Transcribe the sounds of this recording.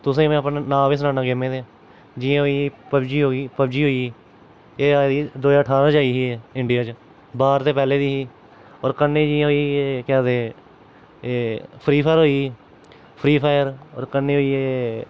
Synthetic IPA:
t̪ʊsẽːmɛ̃ːpnːnãːʋes̬nãːnãːɡɪmẽːd̪ẽ | d͡ʒɪãːɦoːiːpəbd͡ʒiːɦoːiːpəbd͡ʒiːɦoːiː | eːaːd̪iːd̪oːəʈʰaːɾãːd͡ʒaːiːɦiɛːɪɳɖijaːt͡ʃ | baːɾt̪eːpɛːleːd̪iːɦː | ɔːɾkənːẽːd͡ʒiːãːɦoiekɛːd̪eː | eːpʰɾiːpʰaːɾɦoːiː | pʰɾiːpʰaːjəɾɔːɾkənːeːɦoiːeː

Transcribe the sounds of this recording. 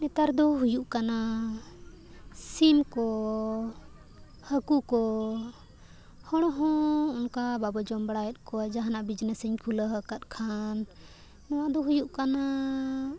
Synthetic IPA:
nɛt̪aɾd̪ɔɦujuʔkana | simkɔ | həkukɔ | hɔɽ̃ɔɦɔ̃unkababɔd͡ʒɔmbɽajɛt̪̚ˀkɔad͡ʒaɦanaʔbid͡ʒnəsəɲpʰuləɦəkat̪̚ˀkʰan | nɔwad̪ɔɦujuʔkana

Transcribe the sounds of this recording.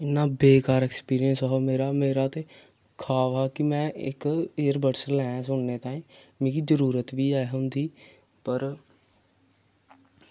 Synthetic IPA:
ɪnːãːbeːkaːɾɛːkspiːɾijənsɔɦameːɾaːmeːɾaːt̪eː | kʰaːʋaːkɪmɛ̃ːɪ̰kiːəɾbəɽsəɾlɛ̃ːsʊɳːeːt̪ãːĩːmĩːkizəɾuːɾət̪ʋiːaːeɦʊ̃nd̪iː | pəɾ

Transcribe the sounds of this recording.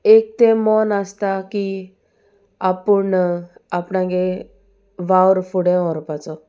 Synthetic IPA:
ek̚t̪emɔnast̪aki | apəɳapɳãɡe | ʋawɾfuɽɛ̃ɦɔɾpat͡sɔ

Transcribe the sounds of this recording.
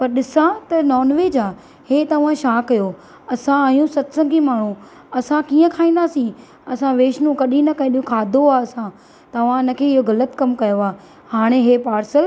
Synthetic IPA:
pɐɾɗɪsãt̪ɐnɔːnʋeːd͡ʑaː | heːt̪ɐʋ̤ãʃaːkːɐjo | ɐsãːjũsɐt̪sə̃ɡimaːɳ̤ũ | ɐsãkiːə̃kʰaːĩnd̪aːsĩ | ɐsãʋeːʃnũkɐɗĩnɐkɐĩɗiũkʰaːd̪ʱoaːɐsã | t̪ɐʋ̤ãɪnə̆kʰeːɪɦoɣɐlət̪kɐmkɐjoaː | haːɽ̃eɦeːpaːɾsəl

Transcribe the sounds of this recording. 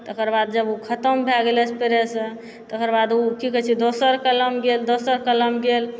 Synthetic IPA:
t̪əkəɾbad̪̚d͡ʒəbukʰət̪əmbʱɛɡelɛt͡ʃpeɾesə | t̪əkəɾbad̪ukikət͡ʃʰɛd̪osəɾkələmɡeld̪osəɾkələmɡel

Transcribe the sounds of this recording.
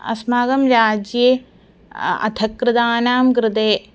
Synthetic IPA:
ɐ̰smaːɡɐmɾaːd͡ʒjeː | ɐ̰t̪ʰɐkɾɪd̪aːnaːmkɾɪt̪eː

